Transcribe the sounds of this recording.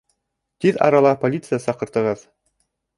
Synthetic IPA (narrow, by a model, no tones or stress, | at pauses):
t̪iðɑ̰ɾɑlˠɑpolʲit̪sɨjasɑqɤ̆ɾt̪ɤ̆ʁɤð